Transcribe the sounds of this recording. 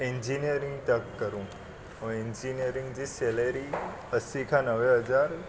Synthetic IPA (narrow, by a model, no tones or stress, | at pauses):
iɲd͡ʑinijəɾĩŋɡt̪əkːəɾũ | õeɲd͡ʑinijəɾĩŋɡd͡ʑiseleɾi | əsikʰanəʋeɦəd͡zaɾ